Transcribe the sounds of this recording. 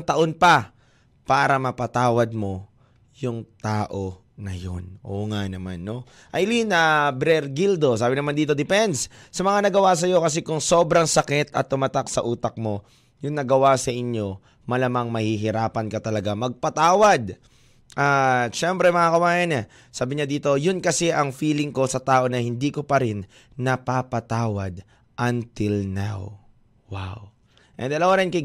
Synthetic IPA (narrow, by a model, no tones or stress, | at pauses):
ŋt̪ɐʔo̞npɐ | paːɾɐmɐpɐt̪aːwɐd̪̚mo̞ | jʊŋt̪aːʔo̞ | nɐjo̞̰nʔo̰ːŋanɐmanːo̞ | ʔɐjlinɐbɾɛɾɡild̪o̞saːbɪnɐmand̪iːt̪o̞d̪ɪpɛnd̪ssɐmɐŋanɐɡɐwas̬ɐjo̞kɐs̬ɛkʊŋso̞ːbɾɐŋsɐkɛt̪ɐ̰t̪ːʊmat̪ak̚sɐʔuːt̪ɐk̚mo̞ | jʊŋnɐɡɐwasɐʔɪɲjo̞ | mɐlɐmaŋmɐhiɦɪɾaːpɐnkɐt̪ɐlɐɡamɐɡ̚pɐt̪aːwɐd̪̚ | ʔaʃɛmpɾɛmɐŋakɐwaːjɪnɛ | saːbɪɲad̪iːt̪o̞jʊnkɐsɛʔɐŋfiːlɪŋko̞sɐt̪aːʔo̞nɐhɪnd̪iːkopɐɾɪnː | ɐpapɐt̪aːwɐd̪̚ | ʔɐnt̪ɪlna̰w | wa̰w | ʔɛ̰nd̪ɐlowɾɛnkɪ